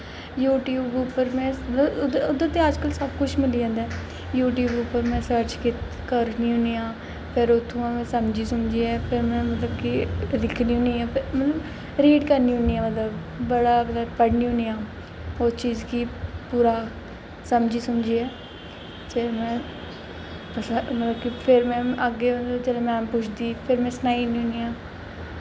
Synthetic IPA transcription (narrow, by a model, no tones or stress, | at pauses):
juːʈjuːbʊpːəɾmɛ̃ːd̪od̪ãːt̪ẽəd͡ʒkəlsəbkʊt͡ʃʰmɪliːd͡ʒãːnd̪ɛː | juːʈjuːbʊpːəɾmɛ̃ːsəɾt͡ʃkɪt̪ | kəɾniːɦʊnijãː | pʰɪɾʊt̪ʰːũːãːmɛ̃ːsəmd͡ʒiːsəmd͡ʒiːɛːpʰɪɾmɛ̃ːmət̪ləbkid̪ɪkʰniːɦʊniːɛːpʰɪmət̪ləb | ɾeːɖkəɾniːɦʊniːɛːmət̪ləbː | əɽaːmət̪ləbpəɽniːɦʊnijãː | oːt͡ʃiːzkipuːɾaː | səmd͡ʒiːsəmd͡ʒiːɛː | t͡ʃemɛ̃ː | əsmət̪ləbkipʰɪɾmɛ̃ːəɡeːmət̪ləbd͡ʒɛːleːmɛ̃ːpʊt͡ʃʰd̪iːpʰɪɾmɛ̃ːsənaːiːnĩːɦʊnijãː